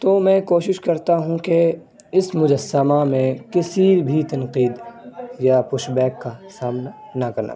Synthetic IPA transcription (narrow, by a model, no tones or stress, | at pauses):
t̪oːmɛ̃ːkoːʃɪʃkɐɾt̪aɦũke | ɪsmʊd͡ʒəsːəmamẽkɪsibʱit̪ɐnqiːd̪japʊʃbɛːkːasaːmna | nakɐɾna̰